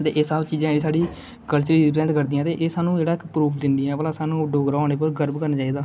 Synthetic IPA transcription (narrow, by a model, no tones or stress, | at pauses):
t̪eːʔeːsaːbt͡ʃiːd͡ʒãːd͡ʒeːɽiːsaːɖiː | kəlt͡ʃəɾiːɾɪplɛ̃ːɳʈkəɾd̪iːãːt̪eːʔeːsaːnũːd͡ʒeːɽaːɪkpɾuːpʰd̪ɪnd̪iːɛ̃ːpəlaːsaːnũːɖoːɡɾaaːneːp̬əɾɡəɾbkəɾnaːt͡ʃaːiːd̪aː